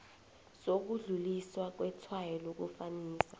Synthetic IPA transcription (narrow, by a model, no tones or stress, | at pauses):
sok̬uɮuliswak̬wɛtʰwajɔlok̬ufaniːsḁ